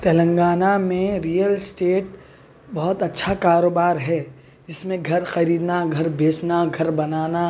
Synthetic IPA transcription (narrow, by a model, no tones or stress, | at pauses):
t̪ɛlə̃ŋɡaːnamẽɾijəlsʈeːʈ | bɐɦʊt̪ɐtːʃʰakaːɾoːbaːɾɦɛː | d͡ʒɪsmẽɡʱɐɾxɐɾiːd̪naɡʱɐɾbʱeːsnaɡʱɐɾbɐnaːna